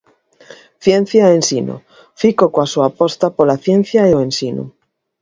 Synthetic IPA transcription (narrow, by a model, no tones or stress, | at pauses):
θjen̟θjaensino̰ | fikokoasuapost̪apolaθjen̟θjaeoensinṵ